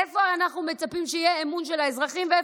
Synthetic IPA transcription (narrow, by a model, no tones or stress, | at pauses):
efoanaχnumet͡sapimʃeijeːmunʃe̞laezʁaχimvee